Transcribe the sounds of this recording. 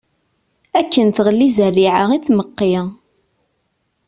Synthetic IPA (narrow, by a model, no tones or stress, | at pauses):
ækːənθʁəlːizərːiʕaʁiθməqːiʁ